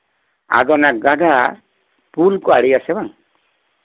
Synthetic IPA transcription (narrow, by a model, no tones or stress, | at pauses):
a̰d̪ɔnak̚ɡaɖʱa | pulkɔaɽijasɛbaŋ